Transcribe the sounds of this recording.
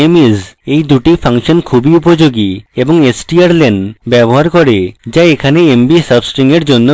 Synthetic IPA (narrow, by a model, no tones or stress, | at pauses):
emizejd̪uʈipʰaŋʃonkʰubiupod͡ʑoɡieboŋesʈiaɾlenɖbɛboɦaɾkɔɾed͡ʑaekʰaneembisəbsʈiŋeɾd͡ʑonːo